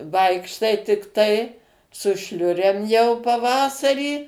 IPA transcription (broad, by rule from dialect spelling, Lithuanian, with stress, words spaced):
ˈʋɐɪkʃtɐɪ tʲɪkˈtɐɪ sʊ ˈʃʲlʲʊrʲeːm jɛʊ pɐˈʋɑːsɐrʲiː